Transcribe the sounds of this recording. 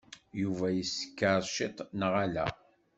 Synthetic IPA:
juvæjəsə̥kːəɾˤʃɪt̪ˤnəʁalæ̰

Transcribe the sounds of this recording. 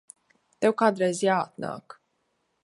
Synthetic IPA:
t̪ɛwkad̪ɾɛzjat̪̚na̰k

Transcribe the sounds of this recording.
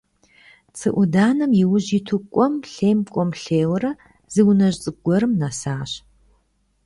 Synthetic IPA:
t͡sʰɨʔʷʊdaːnɐmjɪwʊʑitʰukʷʼɔmɬeːmkʷʼɔmɬeːwɐɾɐ | zɨwnɐʑt͡sʼɨɡʷɔɾɨmnasaːɕ

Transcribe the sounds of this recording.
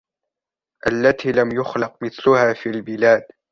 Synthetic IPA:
ʔalːat̪ʰiːlamjʊxlɑq̚mɪθlʊhaːfiːlbɪlaːd̪

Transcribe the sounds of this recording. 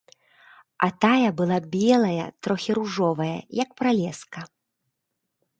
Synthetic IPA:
ɐ̰t̪ajɐbɨlˠabʲɛlˠɐjɐ̰t̪ɾɔxʲiɾuʐɔvɐjɐ̰jɐk̚pɾalʲɛskɐ

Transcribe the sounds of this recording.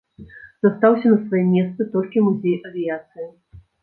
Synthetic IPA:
z̥ɐst̪awsʲɐnɐsvajɛmʲɛst̪sɨt̪ɔlʲkʲimuzʲejʔɐvʲijat̪sɨjɐ

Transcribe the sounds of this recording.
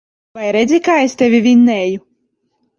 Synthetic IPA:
vajɾɛd̪zʲikaːest̪ʲɛvʲivʲinːɛːju

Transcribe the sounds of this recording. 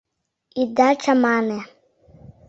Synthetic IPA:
id̪at͡ʃamanɛ

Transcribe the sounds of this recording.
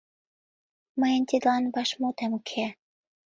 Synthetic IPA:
məjənt̪id̪lɑnβɑʃmot̪æmkʰe

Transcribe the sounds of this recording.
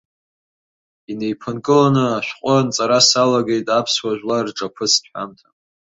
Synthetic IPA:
ine̞jpʰɨnkʼɨlanɨaʃʷᶣqʷʼʊnt͡sʼaɾasalaɡe̞jtʼapʰswaʒᶣlarʈ͡ʂʼapʰɨt͡sʰtħʷᶣa̰mtʰa

